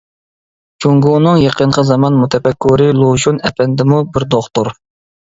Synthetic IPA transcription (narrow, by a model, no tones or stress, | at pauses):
t͡ʃʰuŋɡunɨŋjeqʰəɴqʰəzɑmɑnmut̪ʰɛpɛkʰːuɾɪlˠoʃunɛpʰɛnd̪ɪmubɪɾd̪oχt̪oɾ